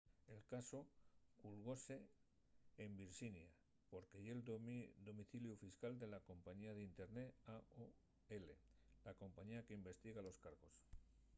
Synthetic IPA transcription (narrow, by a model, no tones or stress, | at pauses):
e̞lkaso̞kulɣ̞o̞se̞ː | mbiɾʃinja | po̞ɾkejeld̪o̞miθiljufiskald̪e̞lako̞mpaɲiaðint̪e̞ɾneao | e̞le̞lako̞mpaɲiakeimbe̞st̪iɣalo̞skaɾɣo̞s